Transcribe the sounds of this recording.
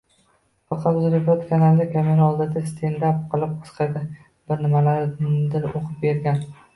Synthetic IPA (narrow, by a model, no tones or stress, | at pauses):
fɑqʰɑt̪ʊzɾepot̪kʰanalːɪkʲʰameɾaɒlˠd̪ɪd̪ast̪ʰend̪apqʰɨlˠɪp̚qʰɒ̥sqʰɑjd̪ɪ | b̥ɪɾnɪmalaɾd̪ɪɾoqʰɨp̚be̞ɾɡʲan